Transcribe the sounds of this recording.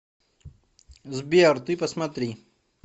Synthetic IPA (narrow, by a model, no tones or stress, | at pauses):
zbiɐɾt̪ujpɐsmat̪ɾi